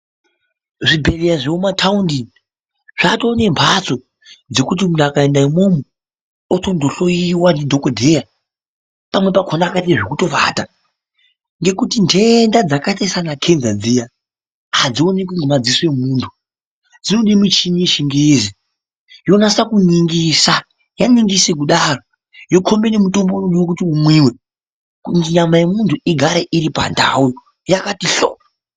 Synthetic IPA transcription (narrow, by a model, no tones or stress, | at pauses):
ʐibʱe̞rejaʐeomatʰaundi | ʐ̥atoːne̞mpʰat͡so | d͡ze̞kut̬imundakaendaimomu | otondʱoɬo̞jiwandidʱokodʱeja | pamwe̞pakʰonakateʐekuto̞ʋa̰ta | ŋɡe̞kutintʰendad͡zakatesanakʰenzad͡zija | had͡zionek̬iŋɡemad͡ziswe̞muːntʰu̥ | d͡zinoɗimit͡ʃiɲiʃiŋɡezi | jonasakuniŋɡisa | janiŋɡisek̬uɗaːro | jo̞kʰo̞mbe̞ne̞muto̞mbonoɗuwokutiumwiwe̞ | kunɲamajemuntʰuʔiɡʱaɾeʔiɾipa̰nda̰ujo | jakatiɬo̰ːa